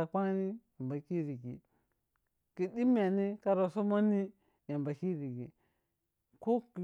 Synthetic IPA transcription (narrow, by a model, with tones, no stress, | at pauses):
a˨kʷa˦ni˦ja˨mba˨ki˦ɾi˨ɡḭ˨ | ki˨di˦m˦a˨ni˦ka˦ɾo˨so˦ma˦ni˦ | ja˨mba˨ki˦ɾi˨ɡi˨ | ko˦ki˨